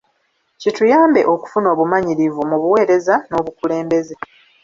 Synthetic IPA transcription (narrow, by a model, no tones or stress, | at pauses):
citujaːmbe̞̰ʔo̞ku̥funo̞ːβumaɲiɾivumuβuwe̞ːɾe̞zano̞ːβukule̞ːmbe̞ze